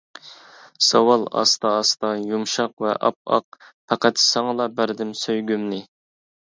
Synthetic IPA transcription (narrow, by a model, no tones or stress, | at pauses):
sɑwɑlˠɑ̰st̪ɑːst̪ɑjumʃɑqvɛ̰ʔɑ̰p̚ɑ̰q̚pʰɑqæt̪sɑŋlˠɑbæɾd̪ɪmsøjɡʲymnɪ